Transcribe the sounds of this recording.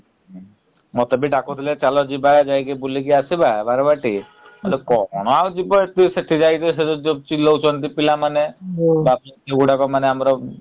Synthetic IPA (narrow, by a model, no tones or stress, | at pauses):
mɔt̪abiʈakut̪ʰilet͡ʃalɔd͡ʒibajd͡ʒajkebulikiasibabaɾɔbaʈi | mɔlekɔɽ̃ɔawd͡ʒibɔt̪iseʈʰid͡ʒajt̪ɔs̬ed͡ʒod͡ʒot͡ʃilːɔut͡ʃɔnt̪̬ipilamanebapɔt̪eɡuʈakɔmaneamɾɔ